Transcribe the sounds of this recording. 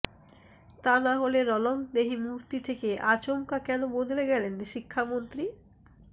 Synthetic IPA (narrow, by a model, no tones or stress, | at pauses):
t̪anaɦoleɾɔlomd̪eɦimuɾt̪it̪ʰekeʔat͡ɕoŋkakɛnobod̪ʱleɡɛlenʃikʰːamont̪ɾi